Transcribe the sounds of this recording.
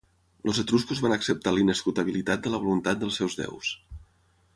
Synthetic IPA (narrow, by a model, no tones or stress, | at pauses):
lozət̪ɾuskuzβanəksəp̚t̪alinəskut̪əβ̞ilit̪at̪̚d̪ələβ̞olunt̪at̪̚d̪əlˠsɛwzðɛ̰ws